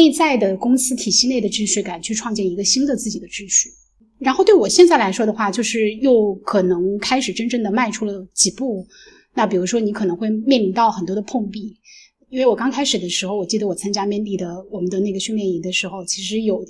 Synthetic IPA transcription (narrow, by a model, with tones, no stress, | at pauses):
ne˥˧ɪt͡sa˥˩ɪd̪ə˩kʊ˥ŋsɹ̩˥t̪ʰi˨˩ɕi˥˧ne˥˩ɪd̪ə˩ʈ͡ʂɻ̩˥ɕy˥˩ka˨˩nt͡ɕʰy˥˧ʈ͡ʂʰwɑ˥˧ŋt͡ɕjɛ˥˩ni˧˥ɡə˧ɕi˥nd̪ə˨t͡sɹ̩˥˩t͡ɕi˨˩d̪ə˦ʈ͡ʂɻ̩˥ɕy˥˩ | ɻa˧˥nxo˥˩ʊt̪we˥˩wɔ˨˩ɕjɛ˥˧nt͡sa˥˩ɪla˧˥ɪʂwɔ˥d̪ə˨˧xwa˥˩t͡ɕjo˥˧ʊʂɻ̩˥˧jo˥˩ʊkʰɤ˨˩nɤ˧˥ŋkʰa˥ɪʂɻ̩˨˩ʈ͡ʂə˥nʈ͡ʂɤ˥˩ŋd̪ə˩ma˥˧ɪʈ͡ʂʰu˥lə˩t͡ɕi˨˩pu˥˩ | na˥˩pi˨˩ɻu˧˥ʂwɔ˥ni˧˥kʰɤ˨˩nɤ˧˥ŋxwe˥˧ɪmjɛ˥˩nli˧˥ŋt̪ɑ˥˩ʊxə˨˩nt̪wɔ˥d̪ə˧pʰʊ˥˧ŋpi˥˩ | i˥nwe˥˩ɪwɔ˨˩kɑ˥ŋkʰa˥ɪʂɻ̩˨˩d̪ə˦ʂɻ̩˧˥xo˥˧ʊwɔ˨˩t͡ɕi˥˩d̪ə˩wɔ˨˩t͡sʰa˥ŋt͡ɕja˥mjɛ˥˧nli˥˩d̪ə˩wɔ˨˩mə˦nd̪ə˧ne˥˩ɡə˩ɕnljɛ˥˩ni˧˥d̪ə˧ʂɻ̩˧˥xo˥˧ʊt͡ɕʰi˧˥ʂɻ̩˧˥jo˨˩ʊ